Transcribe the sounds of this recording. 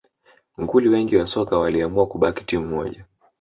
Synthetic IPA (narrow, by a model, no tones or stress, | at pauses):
ŋɡuliwɛŋɡiwasɔkawaliamuakuɓaki̥timumɔ̰ʄa